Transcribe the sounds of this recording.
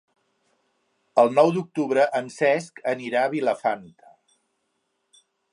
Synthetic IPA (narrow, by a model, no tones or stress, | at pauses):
əlˠnɔwd̪uk̚t̪uβɾəʔənsɛskəniɾaβiləfant̪ə̥